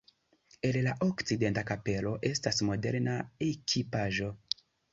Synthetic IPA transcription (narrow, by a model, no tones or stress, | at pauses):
e̞llaʔokt͡side̞ntakape̞lo̞ʔe̞stasmo̞de̞̰ɾnaekʰipaʒo̞